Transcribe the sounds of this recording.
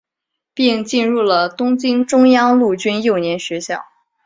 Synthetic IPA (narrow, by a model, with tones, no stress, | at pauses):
pi˥˧ŋt͡ɕi˥˧nɻu˥˩lə˩t̪ʊ˥ŋt͡ɕi˥ŋʈ͡ʂʊ˥ŋjɑ˥ŋlu˥˩t͡ɕy˥njo˥˩ʊnjɛ˧˥nɕɥɛ˧˥ɕjɑ̰˥˩ʊ